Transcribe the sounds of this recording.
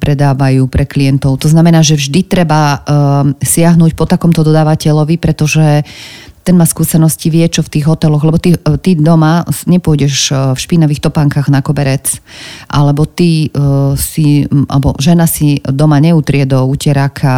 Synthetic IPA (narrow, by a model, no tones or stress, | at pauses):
pɾɛd̪aːʋajuːpɾɛklijɛnt̪ɔʊt̪ɔznamɛnaːʒɛvʒd̪it̪ɾɛba | sɪaɦnuːcpɔt̪akɔmt̪ɔd̪ɔd̪aːʋacɛʎɔʋipɾɛt̪ɔʒɛt̪ɛnmaːskuːsɛnɔsciʋɪɛt͡ʃɔft̪iːɣɦɔt̪ɛlɔɣlɛbɔt̪it̪id̪ɔmaɲɛpʊɔjɟɛʃfʃpinaʋiːxt̪ɔpaŋkaɣnakɔbɛɾɛt͡sʔa̰lɛbɔt̪i | siʔa̰lɛbɔʒɛnasid̪ɔmaɲɛut̪ɾɪɛd̪ɔucɛɾakʰa